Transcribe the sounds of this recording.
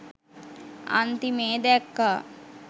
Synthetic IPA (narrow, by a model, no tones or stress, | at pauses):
a̰nt̪imeːd̪ɛkːa